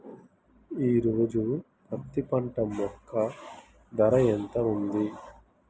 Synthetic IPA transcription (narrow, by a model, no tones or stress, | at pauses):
iːɾoːd͡ʒu | pɐt̪ːipɐɳʈɐmːɔkʰːɐ | d̪ɐɾɐent̪ɐund̪i